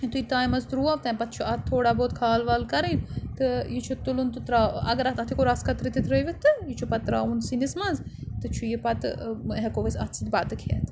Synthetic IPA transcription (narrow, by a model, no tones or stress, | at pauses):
t̪uit̪aːjmɐzt̪ɾuːɐʋt̪ɐ̃ːpɐt̪̚t͡ʃʰuʔɐt̪ʰːoːɽaːboːt̪̚kʰaːlʋɐlkɐɾiːnt̪ɨjit͡ʃʰut̪ulunt̪ɨt̪ɾaːɐ̰ɡɐɾɐt̪ɐt̪ʰikoɾaskɐt̪ɾit̪it̪ʰɾəjʋit̪ɨjit͡ʃʰupɐt̪ːɾa̰ːunsinismɐnzt̪ɨt͡ʃʰujipɐt̪ɦɛkoʋɐsɐt̪sʰit̪̚bat̪ɨkʰet̪